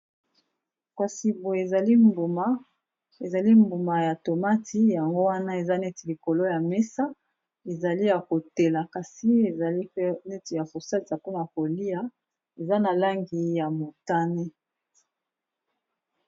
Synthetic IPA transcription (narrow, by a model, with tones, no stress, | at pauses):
kwa˨si˨bo˨e˨za˨li˦mbu˨ma˦ | e˨za˨li˦mbu˨ma˨ja˨to˨ma˦tʰi˦ja˨ŋɡo˦wa˦na˦e˨za˦ne˦ti˨li˨ko˨lo˦ja˨me˦sa˦ | e˨za˨li˦ja˨ko˨te˨la˨ka˨si˦e˨za˨li˦ne˦ti˨ja˨ko˨sa˦ta˨ko˦na˨a˨ko˨li˦a˨˦ | e˨za˦na˨la˦ŋɡi˨ja˨mo˨ta˦ne˦